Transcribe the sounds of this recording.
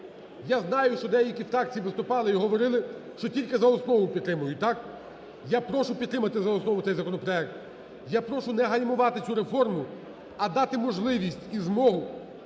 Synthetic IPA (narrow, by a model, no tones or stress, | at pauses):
jaznɑjʊʃt͡ʃɔd̪ɛjɐlʲkʲifɾɑk̚t͡sʲijiʋɪst̪ʊpɑlˠɪiɦɔʋɔɾɪlˠɪʃt͡ʃɔtʲilʲkɪzɐɔsnɔʋʊpʲd̪t̪ːɾɪmʊjʊt̪ɑk | japɾɔʃʊpʲd̪t̪ːɾɪmɐt̪ɪzɐɔsnɔʋʊt̪ɛjzɐkɔnɔpɾɔɛk̚t̪ | japɾɔʃʊnɛɦɐjʲmʊʋɑt̪ɪt͡sʲuɾefɔrmʊ | ɐd̪ɑt̪ɪmɔʒlˠɪʋʲisʲtʲizmɔɦʊ